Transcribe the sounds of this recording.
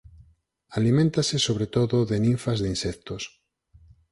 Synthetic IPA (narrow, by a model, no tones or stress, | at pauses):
alimẽnt̪asɪsoβ̞ɾet̪oðoðenĩɱfazðinsɛkt̪os